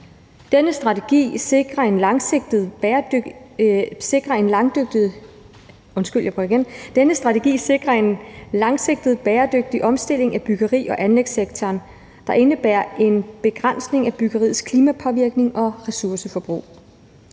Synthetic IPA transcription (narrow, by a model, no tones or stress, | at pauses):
d̥enəsd̥ʁɑ̈t͡sʰeɡ̥ḭːseɡ̥ʁɐe̝nlɑ̈ŋseɡ̥̚d̥ð̩ˠɐ | se̝ɡ̥ʁɐe̝nlɑ̈ŋd̥øɡ̥̚d̥i | ɔ̽nsɡ̥yl̰jæb̥ʰʁyiɡend̥enəsd̥ʁɑ̈t͡sʰe̝ɡ̥ḭːseɡ̥ʁɐe̝nlɑ̈ŋse̝ɡ̥̚d̥ð̞̩ˠb̥eːɐd̥øɡ̥̚d̥iʔɒ̽msd̥e̝l̰e̝ŋæb̥yɡ̥ɐʁḭːɒ̽ʔænleɡ̥seɡ̥̚t͡sʰɒːn | d̥ɑ̈ʔe̝nəb̥æɐ̰ʔe̝nb̥e̝ɡ̥ʁan̰sne̝ŋæb̥yɡ̥ɐʁḭð̩ˠskʰliːmæpʰɒ̽ʋiɐɡ̥ne̝ŋʔɒ̽ʁɛsuɐsəfɒ̽b̥ʁṵː